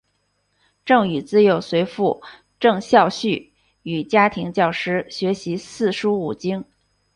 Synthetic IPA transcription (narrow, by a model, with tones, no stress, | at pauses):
ʈ͡ʂɤ˥˩ŋy˨˩t͡sɹ̩˥jo˨˩ʊswe˧˥ɪfu˥˧˩ | ʈ͡ʂɤ˥˧ŋɕjɑ˥˧ʊɕy˥˩ | y˨˩t͡ɕja˥t̪ʰi˧˥ŋt͡ɕjɑ˥˩ʊʂɻ̩˥ɕɥɛ˧˥ɕi˧˥sɹ̩˥˩ʂu˥u˨˩t͡ɕi˥ŋ